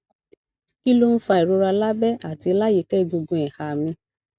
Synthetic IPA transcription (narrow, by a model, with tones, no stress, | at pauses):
ki˦lo˦n̩˦fa˧i˨ɾo˧ɾa˧la˦bɛ˦a˨ti˧la˦je˨kɛ˦˨ɡo˧ɡõ˧˨ɛ˨ha˨mĩ˧